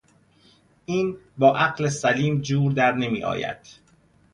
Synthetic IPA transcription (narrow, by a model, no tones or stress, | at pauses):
ʔiːnbɒːʔæɢlesæliːmd͡ʒuːɾd̪æɾne̞mḭːʔɒ̰ːjæ̰d̪̥